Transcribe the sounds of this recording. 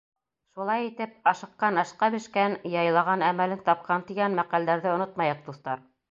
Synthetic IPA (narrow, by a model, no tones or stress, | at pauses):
ʃulˠɑjit̪ɘp̚ɑʃɤ̆qːɑnɑʃqɑbɘ̆ʃkænjɑjlˠɑʁɑnæmælɘnt̪ɑp̚qʰɑnt̪iɡænmæqæld̪æɾðɘŏnot̪mɑjɤq̚d̪uθt̪ɑɾ